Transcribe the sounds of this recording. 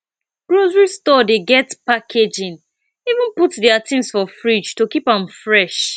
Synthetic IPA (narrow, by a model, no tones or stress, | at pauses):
ɡ̥ɹozɹistɔdeɡɛtpakʰed͡ʒĩn | ivũnputdiatʰĩmsfɔfɹid͡ʒtokipãmfɹɛʃ